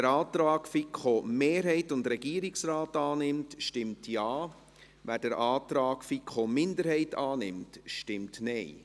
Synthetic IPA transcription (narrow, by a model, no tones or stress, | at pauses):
ɛɾɑːt̪ɾɑːkfikχomeːɾɦɛɪtʊndɾɛɡiːɾɪksɾaːtɑːnɪmtʃtɪmtʰjɑː | ʋæd̥əɾʔɑːt̪ɾɑːkfikχomɪndəɾhɛɪtʰɑːnɪ̰mtʃtɪmtnɛɪ